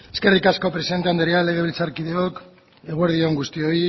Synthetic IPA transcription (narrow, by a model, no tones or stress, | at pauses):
eske̞rikasko̞pɾe̞siðe̞nt̪eand̪eɾeale̞ɣ̞e̞β̞ilt͡saɾkiðe̞o̞k | e̞ɣueɾðio̞ŋɡust̪io̞j